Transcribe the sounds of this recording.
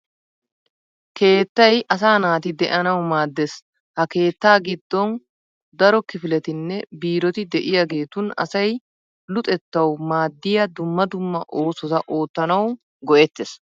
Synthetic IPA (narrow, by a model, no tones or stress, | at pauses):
ke̞ːt̪ːɐjʔɐs̬aːnaːt̪ɪd̪ɛʔɐnɐwmaːd̪ːes | hɐke̞ːt̪ːaːɡɪd̪ːɔn | d̪ɐɾɔkɪfɪlɛt̪ɪnːɛbiːɾɔt̪ɪd̪ɛʔɪjaɡe̞ːt̪ʊnɐ̰sɐj | lʊt̪ʼɛt̪ːɐwmaːd̪ːɪjɐd̪ʊmːɐd̪ʊmːɐʔo̞ːsɔt̪ɐʔo̞ːt̪ːɐnɐw | ɡɔʔɛt̪ːes